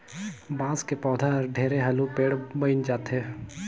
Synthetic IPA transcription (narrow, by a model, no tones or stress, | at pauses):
bãːskepɔːd̪ʱaɾɖʱeːɾeɦɐlupeːɽbəɪnd͡ʒaːt̪ɦɛː